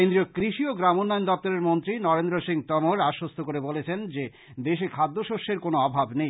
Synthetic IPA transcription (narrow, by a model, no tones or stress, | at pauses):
end̪ɾiokɾiʃioɡɾamonːajnd̪ɔp̚t̪oɾeɾmont̪ɾinɔɾend̪ɾoʃiŋt̪ɔmoɾaʃːost̪ʰokoɾebolet͡ɕʰend͡ʑe | d̪eʃekʰad̪ːoʃoʃeɾkonoɔbʱabnej